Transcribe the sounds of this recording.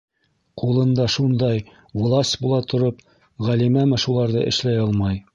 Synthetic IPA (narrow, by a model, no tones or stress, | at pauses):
qulˠɤ̆nd̪ɑʃund̪ɑj | wlˠɑsʲtʲbulˠɑt̪ŏɾop | ʁælimæmɘʃulˠɑɾðɤ̰ʔɘ̆ʃlæjɑlˠmɑj